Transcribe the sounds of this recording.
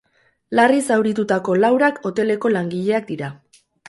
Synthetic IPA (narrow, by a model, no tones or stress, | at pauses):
larisawɾit̪ut̪ako̞lawɾako̞t̪e̞le̞ko̞laŋɡiʎe̞ak̚d̪iɾa